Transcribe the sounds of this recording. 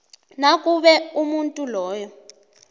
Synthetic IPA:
nakʼuɓɛumuntʼulɔːjɔ

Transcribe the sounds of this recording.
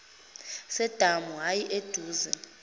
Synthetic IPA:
sɛd̥ʱamuɦajiʔed̥ʱuːzɛ

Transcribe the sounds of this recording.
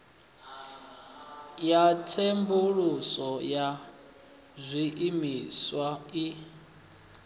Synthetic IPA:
jatʰembuɺusɔja | zʷiʔimiswai

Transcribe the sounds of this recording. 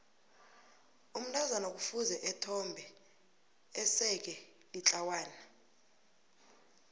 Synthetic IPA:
um̩ntʼʰazanok̬ʼufuzɛʔɛtʰɔmbʱɛ | ɛsɛk̬ɛ | lit͡ɬʼawaːna

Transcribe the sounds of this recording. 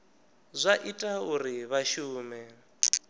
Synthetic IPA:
zʷaʔitʼauriβaʃuːmɛ

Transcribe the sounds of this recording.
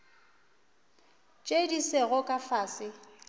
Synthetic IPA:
t͡ʃʼedisɪɣʊkʼafaːsɪ

